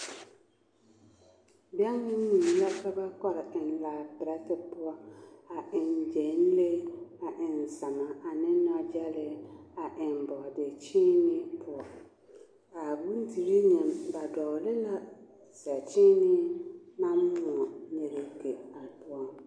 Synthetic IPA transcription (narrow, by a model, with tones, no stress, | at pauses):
bɪ˨˦a˦n˦nɪ̃˦nũ˨mi˨la˦kʰa˦ba˦kɔ˦ɾɪ˨n˨laː˨pɪ˨ɾɛ˦tɪ˦pʊ˦ɔ˦a˨ʔɪ̃˨n˨d͡ʒɛ̃˨n˦le˦a˨ʔɪ̃˨n˨sã˨mã˨a˨nɪ̃˦nʊ̃˦˨a˨d͡ʒa˦lɪ˨a˨ʔɪ̃˨m˨bɔ˨dɪ˨t͡ɕʰĩ˦nɪ̃˦pʰʊ˨ɔ˨ | a˨bu˦n̩˦tʰi˨ɾi˦ɲɛ̃˨nba˨dɔ˨lɪ˦nã˨ | sɛ˨t͡ʃʰĩ˦nɪ̃˦nã˦m˦mʊ̃˨ɔ˨ɲe˨ɾe˨kʰe˨a˨bʊ˦ɔ˦